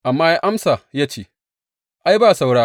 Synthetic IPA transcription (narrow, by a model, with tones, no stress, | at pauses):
ʔa˨mːaː˦ja˦ʔa˦msaː˨jaː˦t͡ʃeː˦˨ | ʔa˦jbaː˦˨sa˨wɽaː˦